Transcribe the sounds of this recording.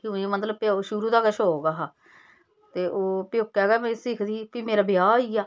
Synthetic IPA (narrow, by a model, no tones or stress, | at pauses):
kũːẽːmət̪ləb̚paʃʊɾuːd̪aːɡəʃɦoːoːɡaːɦaː | t̪eːʔoːpɪjoːkːɛːɡaːmɛ̃ːsiːkʰd̪iːpiːmeːɾaːbɪjaːiːaː